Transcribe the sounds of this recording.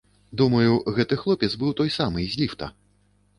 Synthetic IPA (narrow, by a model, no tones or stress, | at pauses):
d̪umɐjuɣɛt̪ɨxlˠɔpʲɛd̪zbɨwt̪ɔjsamɨzʲlʲift̪ɐ̰